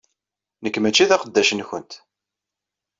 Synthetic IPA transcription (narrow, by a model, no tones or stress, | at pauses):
nəkːmæt͡ʃːiðæqəd̪ːæʃənçənt̪